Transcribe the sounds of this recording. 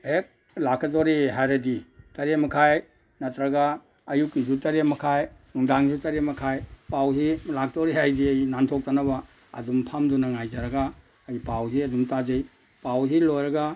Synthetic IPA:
hek̚ | lakʰatoɾiɦajɾaditɐɾemakʰaj | nɐtɾaɡaː | jukizutɐɾemakʰajnuŋdaŋzutɐɾemɐkʰajpawzilak̚ʰtoɾiɦajdiɐjnantʰok̚tanaba̰ː | dumpʰamdunaŋajzaɾaɡaː | jpawziɐdumtazej | pawzilojɾaɡa

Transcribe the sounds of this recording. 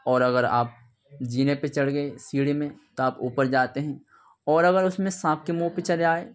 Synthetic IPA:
ɔːɾɐɡəɾa̰ːp̚ | d͡ʒiːnepet͡ʃɐɽɡɐesiːɽemẽt̪oaːpuːpəɾd͡ʒaːt̪eɦɛ̃ː | ɔːɾɐɣəɾʊsmẽsãːp̚kemuːpet͡ʃɐlaːeː

